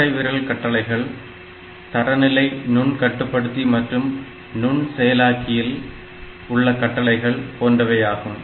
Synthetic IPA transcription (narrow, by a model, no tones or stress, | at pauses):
ɐɪʋɪɾɐlkɐʈːɐlɐɪɣɐɭ | t̪ɐɾɐnɪlɐɪnʊɳkɐʈːɯpːɐɽɯt̪ːimɐʈrɯm | nʊɳsɛjɐlaːkʰːɪjɪl | ʊɭːɐkɐʈːɐlɐɪɣɐɭpoːndrɐʋɐjaːɣɯm